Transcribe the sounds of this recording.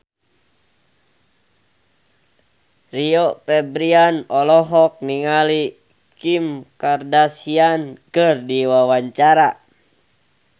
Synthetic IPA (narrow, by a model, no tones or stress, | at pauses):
riɔpɛbɾianɔlɔɦɔk̚niŋali | kimkardasiankɨrdiwawaɲt͡ʃaɾa